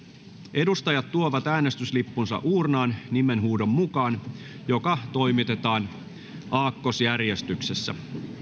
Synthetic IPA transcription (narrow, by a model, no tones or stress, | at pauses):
ʔe̞dust̪ɑjɑt̪tuoʋɑt̪æːne̞st̪yslipːunsɑ̰ʔuːrnɑːnnime̞nɦuːdo̞mːukɑːn | jo̞kɑt̪o̞jmit̪e̞t̪ɑːn | ʔɑːkːo̞sjærje̞st̪ykse̞sːæ̰